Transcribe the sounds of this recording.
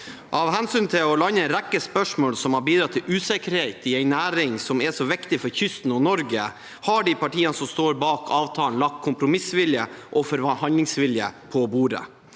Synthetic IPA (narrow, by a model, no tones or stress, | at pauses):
ɑʋhɛnsyːnt̪ʰɪlɔlɑnːəɾækːəspœʂmoːlsɔmhɑɾbiːd̪ɾɑt̪ʰːɪlʔʉːsɛkəɾheɪt̪ɪɛɪnæːɾɪŋsɔmɛʂɔʋɪkt̪ɪfɔɾçʏst̪n̩ɔnɔɾɡə | hɑɖɪpɑʈiːənəsɔmst̪oːɾbɑːkʰɑːʋt̪ʰɑːnlɑk̚t̪̚kʰːʊmpɾʊmɪsʋɪljəʔɔfɔɾʋɑhɑnlɪŋsʋɪljə̰pʰɔbuːɾə̰